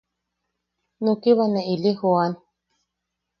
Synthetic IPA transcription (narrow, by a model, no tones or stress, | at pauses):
nukiβaneʔilixuan